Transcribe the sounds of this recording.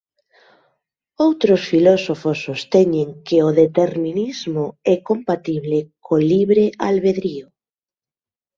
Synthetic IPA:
owt̪ɾosfilɔsofosːost̪ɛɲeŋkeoðet̪eɾminizmoɛkompat̪iβlekʰoliβɾealβeðɾio

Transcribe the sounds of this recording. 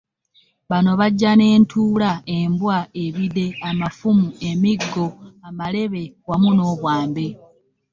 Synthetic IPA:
βano̞βaɟːane̞ːntʰuːlae̞mbwaeβide̞amafumue̞miɡːo̞amale̞βe̞wamuno̞ːβwaːmbe̞

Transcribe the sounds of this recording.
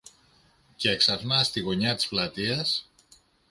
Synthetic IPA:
kɛksazmast̪iɣoɲat̪t͡splat̪ias

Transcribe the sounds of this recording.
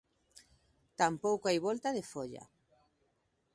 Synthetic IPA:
t̪ampowkoajβɔlt̪aðefoʎa̰

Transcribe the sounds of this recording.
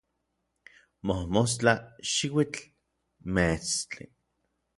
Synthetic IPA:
mohmos̬t͡ɬaʃiwit͡ɬ | met͡st͡ɬḭ

